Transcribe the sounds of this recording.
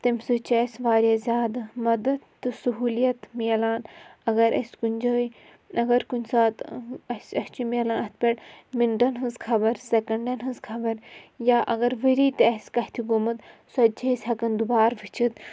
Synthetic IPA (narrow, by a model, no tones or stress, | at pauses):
t̪ɐmsɨt͡ʃɐsʋaːɾjazʲaːd̪mɐd̪ɐd̪t̪ːɨsɐɦuːlijɐt̪miɐlaːnɐɡɐɾʔɐ̰sʲkunʲd͡ʒəːj | ɐɡɐɾkunʲsaːt̪ɐsɐst͡ʃimiɐlaːnɐt̪̚ʰpʲeɽminʈɐnɦɨnzkʰɐbɐɾsekɐɳɖɐnɦɨnzkʰɐbɐɾjaːʔɐɡɐɾʋeɾiːt̪ɐsʲkɐht̪ʰiɡumɐt̪sɐt̪̚d͡ʒesʲɦɐkɐnd̪ubaːɾʋit͡ʃʰit̪